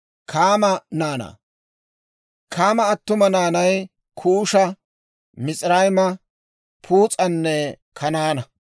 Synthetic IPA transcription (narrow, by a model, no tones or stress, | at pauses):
kʰaːmɐnaːna̰ː | kʰaːmɐːt̪ːʊmɐnaːnɐj | kʰuːʃɐ | mɪt͡sʼɪɾɐjmɐ | pʰuːt͡sʼɐnːɛ | kʰɐnaːnɐ